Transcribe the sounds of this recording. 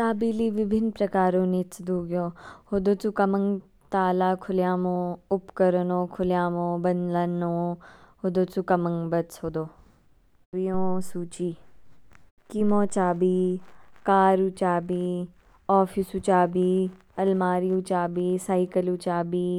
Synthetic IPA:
t̪aːbiːliʋɪbʱɪnpɾɐkaːɾõːnit͡sd̪uːɡjõːhoːd̪oːt͡sukɐmə̃ŋɡ | t̪aːlaːkʰʊljaːmõːʊpkəɾənõːkʰʊljaːmõːbɐnlənõːhoːd̪oːt͡sukɐmə̃ŋɡbətshoːd̪oː | ʋijõːsuːt͡ʃiː | kimõːt͡ʃaːbiːkaːɾut͡ʃaːbi | ɔːfʰisut͡ʃaːbiː | ɐlmaːɾiut͡ʃaːbiːsaːikəlut͡ʃaːbiː

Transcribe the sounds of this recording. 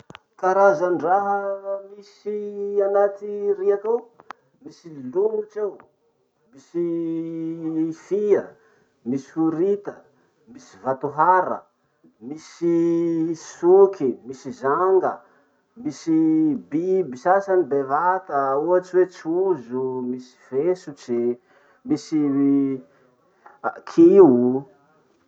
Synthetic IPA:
kaɾazanɖ͡ʐaɦəmisianat̪iriat̪ow | misiluŋut͡ʃew | misi | fiə | misi̥uɾit̪ə | misi̥vat̪uɦaɾə̰ | misi | sukʰimisizaŋɡə | misibibisasanibevat̪əuɦaʈ͡ʂiwet͡ʃuzumisi̥fesut͡ʃi | misi | kʰiu

